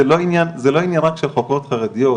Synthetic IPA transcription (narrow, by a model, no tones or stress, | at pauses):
eloinjanzɛlo̞injanʁakʃelχokot̪χaʁed̪ijo